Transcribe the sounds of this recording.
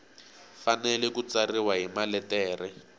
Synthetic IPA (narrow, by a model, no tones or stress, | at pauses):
fanɛlɛkut͡sariwaɦimalɛtɛːrɛ